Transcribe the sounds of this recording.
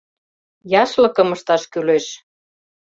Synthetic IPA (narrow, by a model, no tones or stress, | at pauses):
jɑʃlɤ̆kɤ̆məʃt̪ɑʃkyleʃ